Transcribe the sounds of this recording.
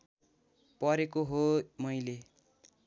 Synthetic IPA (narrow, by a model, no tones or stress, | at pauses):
pʌɾekoɦomʌjle